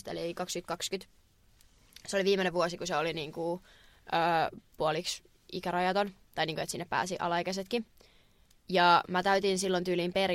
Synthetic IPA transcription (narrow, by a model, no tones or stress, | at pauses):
t̪ḛliːkɑkskyt̪kɑkskyt̪ | seoliʋiːmːeneʋʋuosikuseoliniːŋku | ʔøːpuoliks | ikæɾɑjɑt̪ont̪ɑjniːŋkuet̪sinːeppæ̰ːsiʔɑ̰lːɑekæset̪ki | jɑmæt̪æyt̪insilːont̪yːliːmper